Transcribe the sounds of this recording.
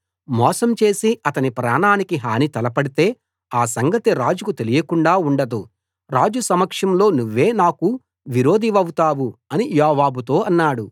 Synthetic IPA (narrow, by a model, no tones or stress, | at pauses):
mɔːsɐmt͡ʃe̞ːsiɐt̪ɐnipɾaːnaːnikiɦaːnit̪ɐlɐpɐɽit̪e̞ː | aːsɐŋɡɐt̪iɾaːd͡ʒukut̪e̞lijɐkuɳɖaːuɳɖɐd̪u | ɾaːd͡ʒusɐmɐkʂɐmlo̞ːnuʋːe̞ːnaːku | ʋiɾo̞ːd̪iʋɐwut̪aːwuɐnijaːʋaːbut̪o̞ːɐnːaːɽu